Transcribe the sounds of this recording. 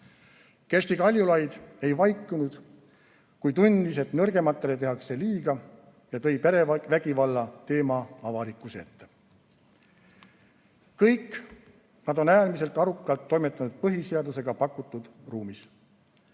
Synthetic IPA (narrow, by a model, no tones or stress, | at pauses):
kest̪ikɑlʲjulɑjd̪̥e̞jvɑjkːˑunud̪̥ | kujt̪unʲd̪̥ise̞t̪nɤrɡe̞mɑt̪ːˑe̞le̞t̪e̞ɦɑkse̞liːɡ̥ɑ | jɑt̪ɤ̞jpeɾevæɡ̥ivɑlːɑt̪e̞ːmɑɑvɑlikːˑuseet̪ːe̞ | kɤjk | nɑd̪o̞næːlmise̞lt̪ːˑɑɾukːˑɑlt̪ːo̞jme̞t̪ːˑɑnud̪̥̚pɤɦise̞ɑd̪use̞ɡ̥ɑpɑkːˑut̪ːud̪̥ruːmis